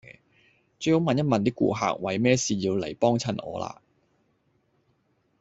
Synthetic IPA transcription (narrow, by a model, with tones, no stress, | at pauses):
t͡ʃɵ˨˧˥jho˨˥wmɐ˨njɐ˥t̚mɐ˨nt̪i˥kṵː˨˧ɦa̰ː˧k̚wɐ˨˧jmɛː˥siː˨˩jiː˧wle˨˩jpɔː˥ŋt͡sʰɐ˧˩nʔɔ̰ː˨˧la̰ː˧